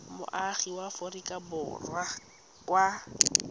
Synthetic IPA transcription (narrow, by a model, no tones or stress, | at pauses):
mʊ̰ʔaχiwaforikʼabʊ̰rwa | kʼwa